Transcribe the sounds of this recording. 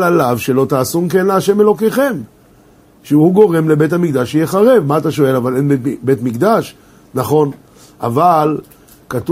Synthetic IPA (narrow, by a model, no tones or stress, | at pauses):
alavʃelo̞t̪aːsumkenleaʃe̞me̞lo̞keχe̞m | ʃehuɡo̞ʁe̞mle̞be̞t̬amikd̪aʃejeχaʁe̞vmaːt̪aʃo̞e̞lavalenbebe̞t̪mikd̪aʃ | naχo̞n | a̰val | kat̪u